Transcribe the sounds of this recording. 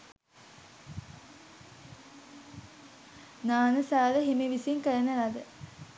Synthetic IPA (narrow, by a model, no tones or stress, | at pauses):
naːnəsaːləɦimiʋisiŋkəɭənənad̪ə